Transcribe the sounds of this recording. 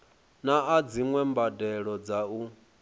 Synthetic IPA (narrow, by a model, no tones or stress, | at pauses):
naad͡ziŋwɛmbadɛɺɔd͡zau